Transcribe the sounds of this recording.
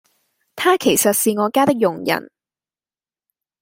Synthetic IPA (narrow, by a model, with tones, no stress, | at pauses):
t̪ʰaː˥kʰe˨˩jsɐ˨t̚siː˨ŋɔː˨˧kaː˥t̪ɪ˥k̚jʊ˨˩ŋjɐ̰˨˩n